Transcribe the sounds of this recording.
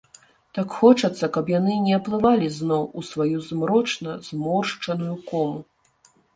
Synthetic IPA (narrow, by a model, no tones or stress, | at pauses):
t̪akxɔt͡ʂɐt̪sːɐkɐpjanɨnʲɛɐplˠɨvalʲiznɔwusvajuzmɾɔt͡ʂnɐzmɔrʂt͡ʂɐnujukɔmu